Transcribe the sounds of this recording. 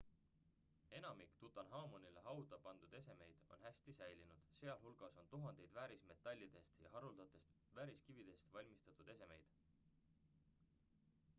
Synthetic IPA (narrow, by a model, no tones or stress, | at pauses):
e̞nɑmikt̪ut̪ːˑɑnɦɑːmonileɦɑwd̪ɑpɑnd̪̥ud̪̥e̞se̞me̞jd̪̥o̞̰nhæsʲt̪isæjlinud̪̥se̞ɑlhulɡ̥ɑso̞nt̪uɦɑnd̪̥e̞jd̪væːɾisme̞t̪ːˑɑlʲːid̪̥e̞st̪jɑ̰ɦɑɾuld̪̥ɑt̪ːˑe̞st̪ | væːɾiskivid̪̥e̞st̪vɑlʲmist̪ɑt̪ːˑud̪e̞se̞me̞̰jd̪̥